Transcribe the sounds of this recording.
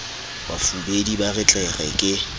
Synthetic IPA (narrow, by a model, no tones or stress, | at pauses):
ba̰fubedibarɪt͡ɬʼɛɣɛkʼɪ